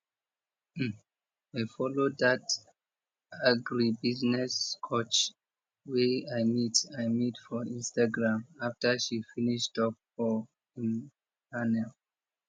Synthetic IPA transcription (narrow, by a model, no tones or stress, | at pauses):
ajfɔloddat | aɡɹibiznɛskʰot͡ʃ | weaɪmitajmitfɔĩnstaɡɹãmaftəʃifiniʃtɔp̚fɔ | ĩn | tanɛl